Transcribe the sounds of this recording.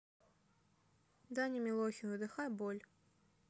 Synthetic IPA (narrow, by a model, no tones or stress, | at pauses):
d̪anʲimʲilˠɔxʲinɨd̪ɨxajbɔlʲ